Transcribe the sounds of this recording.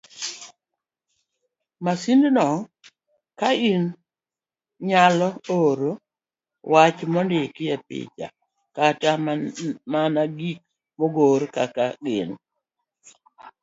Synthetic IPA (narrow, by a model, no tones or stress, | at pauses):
masindnɔ | kain | ɲalɔoɾo | wat͡ʃmɔndɪkɪjɛpɪ̰t͡ʃa̰ | kata | manaɡik̚ | mɔɡoɾkakaɡɪ̰n